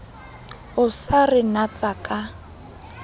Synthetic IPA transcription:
ʊsarɪnat͡sʼakʼa

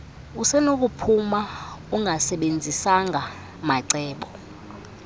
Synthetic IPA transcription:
usɛnok̬upʰumauŋʱasɛɓend͡zʱisaŋʱa | maǀɛːɓɔ

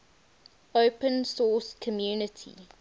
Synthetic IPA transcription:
oʊpə̃nsɔːskʰɔmjuːnətʰḭ

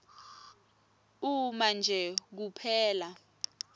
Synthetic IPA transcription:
umand͡ʒʱɛk̬upʰɛːla

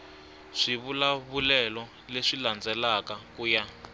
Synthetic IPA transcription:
ʂiβulaβulɛlɔ | leʂiland͡zɛlakakuːja

